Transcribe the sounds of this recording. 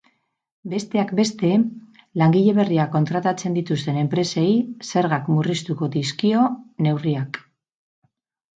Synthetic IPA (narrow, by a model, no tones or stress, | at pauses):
be̞st̪e̞akbe̞st̪e̞ | laŋɡiʎe̞βe̞riako̞nt̪ɾat̪at͡se̞nd̪it̪ust̪e̞ne̞mpɾe̞se̞jse̞ɾɣakmurist̪uko̞d̪iskio̞ne̞wriak